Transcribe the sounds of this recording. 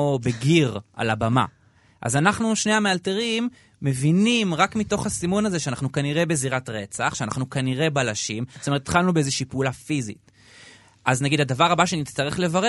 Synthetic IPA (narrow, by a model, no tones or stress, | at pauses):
beɡiʁʔa̰labama̰ | ʔa̰zanaχnuʃne̞jhamealteʁimː | e̞vinimʁakmito̞χhasimo̞naze̞ʃeanaχnukaniʁe̞be̞ziʁatʁe̞t͡saχʃeana̰χnukaniʁe̞balaʃimzo̥toet̪ːtχalnubeezeʃiːpeulafizḭt̚ | ʔaznaɡidhad̪avaʁabaʃenitst̪aʁe̞χle̞vaʁe